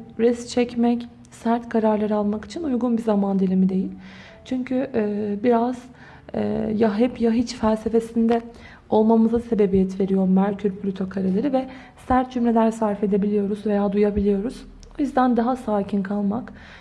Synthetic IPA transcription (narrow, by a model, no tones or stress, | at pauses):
ɾɛst͡ʃʰɛcmɛc | sæɾt̪kʰaɾaɾlˠaɾɯalˠmaki̥t͡ʃʰinujɡunbizamand̪ilʲimid̪e̞jilʲ | t͡ʃʰyɲcʰybiɾaz̥ | ɛ̰jaɦɛpjaɦit͡ʃfælʲse̞fe̞sind̪ɛ | o̞lˠmamɯzase̞be̞bijɛt̪ve̞ɾijo̞ɾmæɾcʰyɾʲpʰlʲyt̪ʰo̞kʰaɾalˠaɾɯvɛ | sæɾt̪̚d͡ʒymlʲelʲæɾsaɾfe̞d̪e̞bilʲijo̞ɾuzve̞jaːd̪ujabilʲijo̞ɾuz̥ | ojyzd̪ænd̪aɦasaːcʰinkʰalˠmak